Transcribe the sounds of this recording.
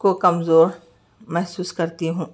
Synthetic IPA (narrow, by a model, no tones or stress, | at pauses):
kokɐmzoːɾ | mɛɦsuːskɐɾt̪iɦũː